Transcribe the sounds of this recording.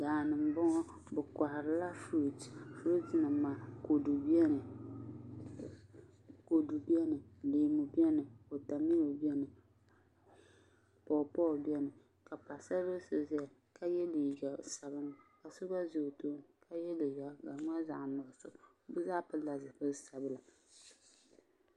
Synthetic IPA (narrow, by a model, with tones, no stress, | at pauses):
daː˨nɨ˨m˨bɔ˦ŋɔ˦ | bɛ˨ka˨hɪ˨ɾɨ˨la˦fo˦˨tfɾo˦tɨ˨˦nɨ˨maː˨ko˨du˨bi˦ɛ˦nɨ˨ | ko˨du˨bi˦ɛ˦nɨ˨leː˨mu˨bi˦ɛ˦nɨ˨o˨ta˨mi˦lo˨bi˦ɛ˦nɨ˨ | pɔ˨pɔ˦˨lbi˦ɛ˦nɨ˨ | ka˨pa˨sa˦bo˦sɨ˨zi˦a˨ | ka˦jɛ˦li˨ɡa˨sa˨bɨ˦ŋka˨sʊ˦ba˦zo˨to˦ŋkʰa˦jɛ˦lɪ˨ja˦ɡa˨˦ŋʷ˦a˦za˨nɔ˨sʊ˦ | bɨ˦zaː˦pɨ˦la˨zɨ˨bɨ˦sa˨bɨ˦la˨